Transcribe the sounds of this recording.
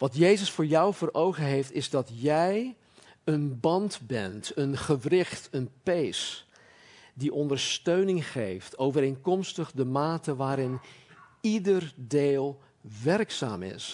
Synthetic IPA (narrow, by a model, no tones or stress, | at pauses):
ʋɑtjejzəsfʊːɹjʌwvʊːɾowχənɦejftɪzdɑtjɛj | ənbɑndbɛ̰ntənχəvrɪχtənpejs | diʔɔndəɹstøɥnɪŋχejftʰowvəɾejnkɔmstəχdəmaːtəʋaːɾɪn | idərdeːlˠ | ʋɛrksa̰ːmɪ̰s